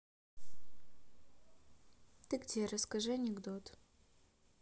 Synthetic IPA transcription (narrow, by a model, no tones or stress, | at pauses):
t̪ɨɡd̪ʲeɾəskɐʐɨɐnʲɪɡd̪ot̪